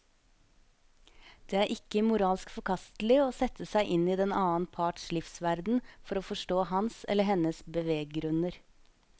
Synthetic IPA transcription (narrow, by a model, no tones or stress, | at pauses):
d̪̥eːæːɾʔɪkəmʊɾɑːlskfɔɾkʰɑst̪l̩ɪoːsɛt̪əsæɪʔɪniːd̪ɛnɑːənpʰɑːʈʂɭɪfsʋæɾd̪n̩fɔɾoːfɔʂʈoːhɑnsɛ̰lːəɦɛnəsbəʋeːɡɡɾʉnəɾ